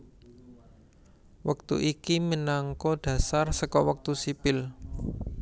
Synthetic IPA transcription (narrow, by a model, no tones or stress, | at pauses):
wək̚t̪ṵʔikimənaŋkɔɖ̥ä̤sarsəkɔwək̚t̪usipɪl